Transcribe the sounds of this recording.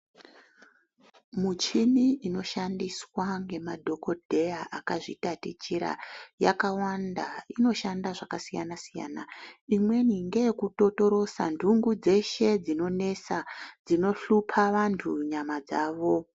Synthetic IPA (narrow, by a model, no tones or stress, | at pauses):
mut͡ʃiniʔino̞ʃandiswaŋɡe̞madʱo̞ko̞dʱe̞jaʔakaʐḭtatit͡ʃiɾa̰jakawandaino̞ʃandaʐakasija̰nasija̰ːnaimwe̞niŋɡe̞kuto̞to̞ɾo̞sa̰ndʱuŋɡud͡ze̞ʃe̞d͡zino̞ne̞sad͡zino̞ɬupʰaʋantʰuɲamad͡zaːʋo̞